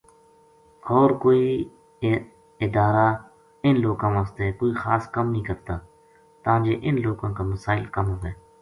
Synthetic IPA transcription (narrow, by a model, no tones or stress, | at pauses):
ɔːɾkoːiː | ɪd̪aːɾaː | ɪnloːɡãːʋaːst̪eːkoːiːxaːskəmnĩːkəɾt̪aː | t̪ãːd͡ʒeːʔɪnloːɡãːkaːməsaːɪlkəmɦʊʋeː